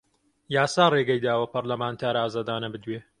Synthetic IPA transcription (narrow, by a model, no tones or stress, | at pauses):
jaːsaːreːɡɐjd̪aːwɐpɐɾlɐmaːnt̪ʰaːɾaːzaːd̪aːnɐbɨd̪weː